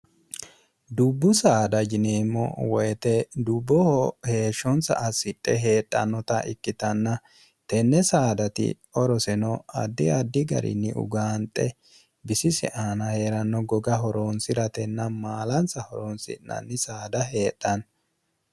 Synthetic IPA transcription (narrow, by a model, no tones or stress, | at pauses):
d̪ʊbːʊsaːd̪ɐd͡ʒɪneːmːɔ̰wɔjɛt̪ɛd̪ʊbːɔhɔhe̞ːʃːɔnsɐ̰ʔɐsɪtʼːɛɦe̞ːtʼːɐnːɔt̪ɐʔɪkːɪt̪ɐnːɐ | t̪ɛnːɛsaːd̪ɐt̪ɪ̰ | ɔɾɔsɛnɔɐ̰d̪ːɪɐd̪ːɪɡɐ̰ɾɪ̰nːɪ̰ʔʊ̰ɡaːnt̪ʼːɛ | bɪsɪsɛ̰ʔaːnɐheɾɐnːɔɡɔɡɐɦɔɾonsɪɾɐt̪ɛnːɐmaːlɐnsɐhɔɾonsɪ̰nɐ̰nːɪsaːd̪ɐɦe̞ːtʼːɐn